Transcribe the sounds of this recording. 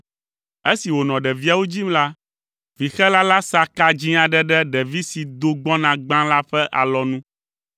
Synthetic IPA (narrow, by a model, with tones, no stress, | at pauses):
e˦si˨wo˨nɔ̃˨ɖɛ˨vi˦a˨wo˦d͡ʑi˦mla˦ | vi˨xɛ˦la˦la˦sa˦ka˦d͡ʑĩ˦a˨ɖɛ˦ɖɛ˦ɖɛ˨vi˦si˨d̪o˨ɡ͡bɔ̃˦nã˨ɡ͡bã˦la˦ɸɛ˦ʔa˨lɔ˦nũ˦